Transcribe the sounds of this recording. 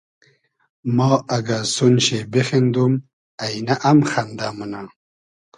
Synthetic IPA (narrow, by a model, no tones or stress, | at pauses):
mɑːaɡasunɕebexend̪um | ajnaʔamxand̪amuna